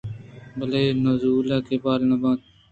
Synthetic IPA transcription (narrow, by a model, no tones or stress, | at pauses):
bəleːnozuːlaːkeːpaːlnəbãː